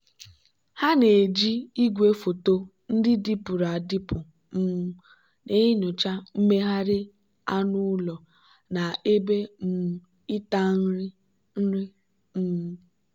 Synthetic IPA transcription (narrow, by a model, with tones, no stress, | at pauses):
ha˦ne˨d͡ʒi˦i˦ɡʷe˦fo˨to˦ | n̩˦dɪ˦di˦pʊ˨ɾa˨dɪ˦pʊ˨ | m̩˦ | ne˦ɪ˦ɲʊ˨t͡ʃa˦m̩˦me˦ɦa˦ɾɪ˦ | a˦nʊ˦lɔ˨ | na˨e˦be˦m̩˨ | ɪ˦ta˦n̩˦ɾɪ˦ | n̩˦ɾɪ˦ | m̩˦